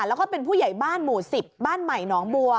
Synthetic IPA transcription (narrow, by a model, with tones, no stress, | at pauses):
lɛː˦˥wkɔː˥˩pe˧npʰuː˥˩ja˨˩jbaː˥˩nmuː˨˩si˨˩p̚baː˥˩nma˨˩jnɔː˩˦ŋbu˧ə